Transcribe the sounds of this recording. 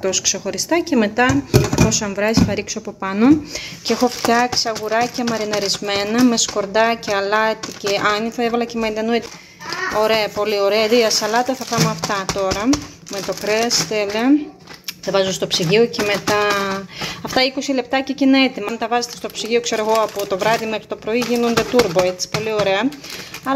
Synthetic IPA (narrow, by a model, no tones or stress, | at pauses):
t̪oskse̞xo̞ɾist̪ɐce̞me̞t̪ɐɐposɐɱvɾɐsiθɐɾiksoɐpo̞pɐno̞ceexo̞ft̪ɐksiɐɣuɾɐcemɐɾinɐɾizme̞nɐme̞sko̞ɾd̪ɐceɐlɐt̪ice̞ʔɐniθɐevɐlɐcemɐind̪ɐnuit̪i̥ | o̞ɾe̞ɐpo̞lio̞ɾeɐðiɐsɐlɐt̪ɐθɐpɐmoɐft̪ɐt̪o̞ɾɐ | me̞t̪o̞kɾest̪ele | θɐvɐzust̪o̞psiʝio̞ce̞me̞t̪ɐ | ɐft̪ɐiko̞sile̞p̚t̪ɐcecineet̪imɐnt̪ɐvɐzet̪est̪o̞psiʝio̞kse̞ɾoɣo̞ɐput̪o̞vɾɐðimexɾit̪o̞pɾo̞iʝino̞nd̪e̞t̪uɾboe̞t͡si̥po̞lio̞ɾe̞ɐɐl